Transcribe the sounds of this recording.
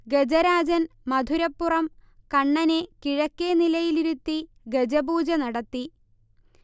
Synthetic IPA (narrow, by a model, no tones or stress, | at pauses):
ɡed͡ʑɐɾaːd͡ʑɐnmɐd̪ʱuɾɐpːurɐmkɐɳːɐne̞kiɻɐkːenilɐjiliɾut̪ːi | ɡed͡ʑɐbuːd͡ʑɐnɐɽɐt̪ːi